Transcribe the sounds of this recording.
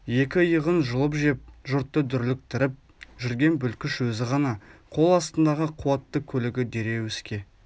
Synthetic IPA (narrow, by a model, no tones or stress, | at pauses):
je̞kʲɪjəʁənʒʊlˠəpʒe̞p̚ʒʊɾt̪ːəd̪ʏɾlɪk̚t̪ʰɪɾɪp̚ | ʒʏɾɡʲe̞nbʏlkʲɪʃwɵzɪʁɑnɑqʰo̞lˠɑst̪ənd̪ɑʁəqʰuwɑt̪ːəkʲʰɵlɪɡʲɪd̪e̞ɾe̞wʏskʲe̞